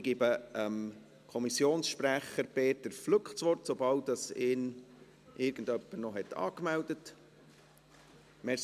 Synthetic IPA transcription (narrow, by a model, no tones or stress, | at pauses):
ɡ̥ibəəm | kʰɔmisjoːnsʃpɾæχəɾpeːtəɾflʊkχtsʋɔɾtsobɑltɑsɪːn | ʔɪːɾɡ̥ən̩dœpːəɾnɔɦɛtɑ̰ːkmældət | mɛ